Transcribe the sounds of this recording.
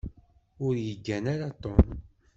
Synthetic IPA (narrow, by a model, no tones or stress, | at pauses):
ʊɾjəɡːænaɾat̪ˤon